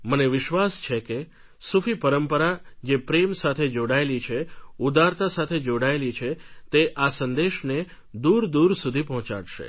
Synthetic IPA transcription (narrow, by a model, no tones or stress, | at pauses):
məneʋɪʃʋast͡ʃʰeke | sufʰipəɾəmpəɾad͡ʒepɾemsat̪ʰed͡ʒoɽaelit͡ʃʰeud̪aɾt̪asat̪ʰed͡ʒoɽaelit͡ʃʰet̪eʔasənd̪eʃne | d̪uɾd̪uɾsud̪ʱipəɦɔ̃t͡ʃa̰ɽʃḛ